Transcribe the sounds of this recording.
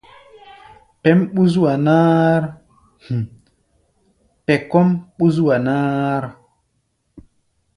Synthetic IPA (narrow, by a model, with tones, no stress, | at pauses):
pɛ˦mɓu˦zwa˨naː˦ɾ | h | pɛ˨kɔ˦mɓu˦z̬wa˨naː˦ɾ